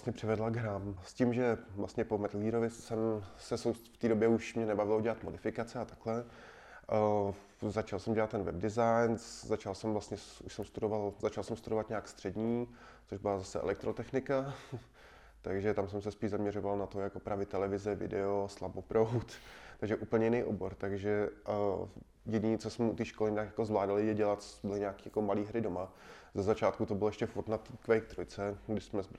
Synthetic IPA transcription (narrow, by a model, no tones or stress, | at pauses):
stɲɛpr̝̥ɪvɛdlaɡɦɾaːmscimʒɛvlastɲɛpomɛt̪liːɾovɪsɛmsɛsowft̪iːdobjɛuʃmɲɛnɛbavɪloɟɛlat̪modɪfɪkat͡sɛat̪aklɛ | zat͡ʃalsɛmɟɛlat̪t̪ːɛnvɛb̚dɪzajnszat͡ʃalsɛmvlast̪ɲɛsuʃsɛmst̪udovalzat͡ʃalsɛmst̪udovat̪ɲaːkst̪r̥ɛdɲiː | t͡soʒbɪlazasɛɛ̰lɛkt̪ɾot̪ɛxnɪka | t̪aɡʒɛt̪amsɛmsɛspiːʒzamɲɛɾovalnat̪ojakopɾavɪt̪ːɛlɛvɪzɛvɪ̰dɛoslabopɾowt̪t̪aɡʒɛʔuːpl̩ɲɛjɪnɛjʔoboɾt̪aɡʒɛ | jɛɟiɲɪt͡sɛsmɛut̪iːʃkolɪɲɪnakjakozvlaːdalɪjɛɟɛlat̪t͡sotbɪlɪɲaːkiːjakomaliːɦɾɪdoma | zɛzat͡ʃaːt̪̚kut̪obɪlojɛʃcɛfuɾt̪nat̪iːkvɛjkt̪ɾojt͡sɛɡdɪʃsmɛzb